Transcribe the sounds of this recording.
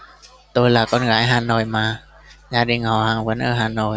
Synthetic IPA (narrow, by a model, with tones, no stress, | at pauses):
t̪oː˧jlaː˨˩kɔː˧nɣa̰ː˧˩˦jɦaː˧˩noː˨˩jmaː˨˧˩ | zaː˧ɗi˨˩ŋhɔ˨˩haː˨˩ŋvnʔə̰ː˧˩ɦaː˨˩noː˨˩j